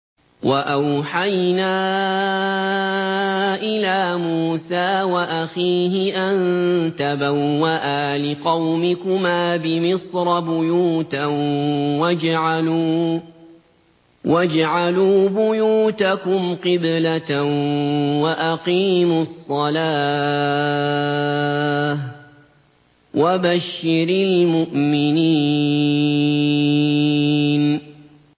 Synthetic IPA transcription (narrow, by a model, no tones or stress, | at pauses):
waʔawħajnaː | ʔɪlaːmuːsaːwaʔaxiːɦɪʔant̪abawːaʔaːlɪqɑwmɪkʊmaːbɪmɪsˤɾˤɑbʊjuːt̪a | wad͡ʒʕ | wad͡ʒʕaluːbʊjuːt̪akʊmqɪblat̪ | waʔaqiːmʊɑsˤːɑlaː | h | wʔabaʃːɪɾɪlmʊʔmɪniː | n